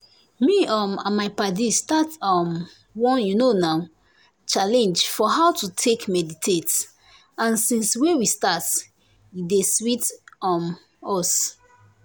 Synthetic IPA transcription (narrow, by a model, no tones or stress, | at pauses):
miɔmãmaɪpadistatɔm | wɔ̃njunonaʊ | t͡ʃalɛ̃nd͡ʒfɔɦawtutʰekmɛditʰet | ãnsĩnswɛ̃wistat | jideswitɔm | ɔs